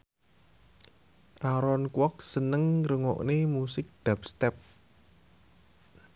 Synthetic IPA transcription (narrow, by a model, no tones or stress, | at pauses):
ʔaɾɔnkwɔk̚sənəŋɾəŋɔ̰ʔnemusɪk̚d̪̥a̤p̚st̪ɛp̚